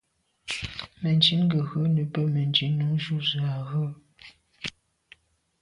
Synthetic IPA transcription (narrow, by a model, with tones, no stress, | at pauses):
mə˨nd͡ʒi˨˦nɡə˨ɣə˦nə˨˦pə˦mə˨nd͡ʒi˨˦nu˨˦ŋʒu˦˨zə˨a˨ɣə˦